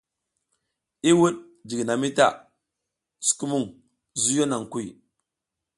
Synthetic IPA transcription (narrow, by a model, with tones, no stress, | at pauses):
i˦wu˦ɗ̚ | d͡ʒi˨ɡna˨mi˦ta̰˦˨ | su̥˨ku˦mu˦˨ŋ | zu˦jo˦na˨ŋ˨ku˦j